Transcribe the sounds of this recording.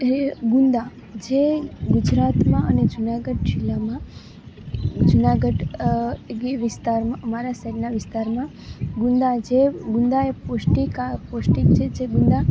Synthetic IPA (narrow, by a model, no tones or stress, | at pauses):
ɡund̪a | d͡ʒeɡʊd͡ʒɾat̪mãʔəned͡ʒʊnaɡəɖd͡ʒilːamã | d͡ʒunaɡəɖ | ɡeʋɪst̪aɾmãəmaɾasaɾnaʋɪst̪aɾmã | ɡũnd̪ad͡ʒeɡʊ̃nd̪aeposʈikaposʈikt͡ʃʰed͡ʒeɡʊ̃nd̪a